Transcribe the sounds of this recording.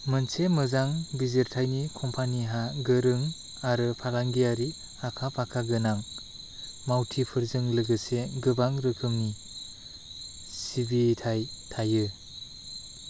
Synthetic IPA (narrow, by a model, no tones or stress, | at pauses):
mɯnsemɯzaŋbizeɾtʰajnikʰɔmpʰaniɦaɡɯɾɯŋ | aɾɯpʰalaŋɡiaɾi | akʰapʰakʰaɡɯnaŋ | mawtʰipʰɯɾzɯŋlɯɡɯseɡɯbaŋɾɯkʰɯmni | sibitʰajtʰajɯ